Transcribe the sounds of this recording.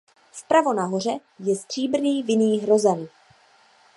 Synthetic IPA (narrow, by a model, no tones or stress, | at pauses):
fpɾavo̞naɦor̝ɛ | jɛsd̪r̝̥iːbr̩niːvɪniːɦɾo̞zɛn